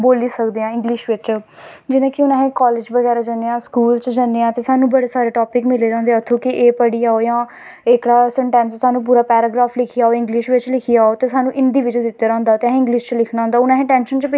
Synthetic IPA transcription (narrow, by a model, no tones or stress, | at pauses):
boːliːsəkd̪eːãːɪ̃ŋɡlɪʃʋɪt͡ʃd͡ʒɪnãːkɪʊnãːɦẽːkɔːlɪːd͡ʒbəɡɛːɾaːd͡ʒəneːãːskuːlt͡ʃd͡ʒənːeːãːt̪eːsaːnũːbəɽeːsaːɾeːʈoːpɪkmɪleːɾãːnd̪eːət̪ʰːõːkɪʔeːpəɽiːaːoːjãː | ɪkɽaːsɛɳʈɛ̃ːnssaːnũːp̬uːɾaːpɛːɾaːɡɾaːfʰlɪkʰiaːoːɪ̃ŋɡlɪʃʋɪt͡ʃlɪkʰiːaːoːt̪eːsaːnũːʔɪɳɖiːʋɪd͡ʒəd̪ɪt̪ːaːɾãːnd̪aːt̪eːɦɪ̃ŋɡlɪʃt͡ʃlɪkʰnaːʊnd̪aːʊnãːɦẽːʈɛːnʃənt͡ʃp